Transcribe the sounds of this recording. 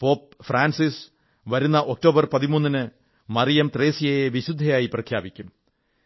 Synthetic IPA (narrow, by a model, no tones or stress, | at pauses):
po̞ːp̚fraːnsis | ʋɐɾunːɐʔo̞k̚to̞ːbɐrpɐðimunːinɨ | mɐrijɐmt̪re̞ːsijɐjeʋiɕud̪ʱːɐjaːjiprɐkʰjaːbikʲːum